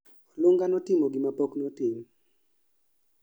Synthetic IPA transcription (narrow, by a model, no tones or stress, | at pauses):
ɔluŋɡanɔtɪmoɡimapoknɔtɪm